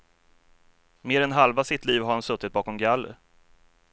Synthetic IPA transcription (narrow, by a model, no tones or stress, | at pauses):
meːɾɛnɦalvasɪt̪liːvhaɾhansɵt̪ːɪt̪̚bɑːkɔmɡalːə̰